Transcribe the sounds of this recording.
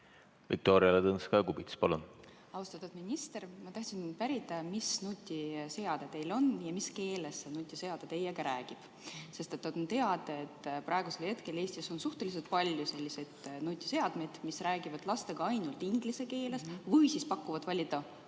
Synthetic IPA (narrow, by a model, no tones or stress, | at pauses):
vḭk̚t̪oːɾiɑlet̪ɤnskɑjɑkubit̪spɑlun | ɑust̪ɑt̪ud̥̪minʲist̪e̞rmɑt̪ɑht̪sinpæɾit̪ːˑɑmisnut̪ʲːˑiseɑd̪̥et̪e̞jlo̞njɑmiske̞ːlesːenut̪ʲːˑise̞ɑd̪̥et̪e̞jeɡ̥ɑɾæːɡ̥ib̥ | se̞st̪e̞t̪ːɑd̪̥ont̪e̞ɑd̪ɑet̪ːprɑeɡuse̞lhe̞t̪ke̞le̞ːsʲt̪iso̞nsuht̪e̞lʲis̬elt̪̚pɑlʲjuse̞lʲːise̞d̪̥nut̪ʲːise̞ɑd̪̥me̞jd̪̥misræːɡ̥ivɑd̪̥lɑst̪e̞ɡ̥ɑɑjnult̪iŋɡ̥lise̞ke̞ːle̞svɯjsispɑkːˑuvɑd̪̥vɑlʲːid̪ɑ